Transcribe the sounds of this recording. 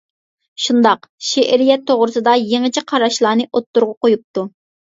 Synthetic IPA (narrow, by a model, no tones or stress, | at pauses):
ʃund̪ɑqʃeʔɾijɛt̪ʰːoʁɾɨsɨd̪ɑjeŋɨt͡ʃʰiqʰɑɾɑʃlˠɑːnɨʔot̪ːuɾʁʊqojup̚t̪u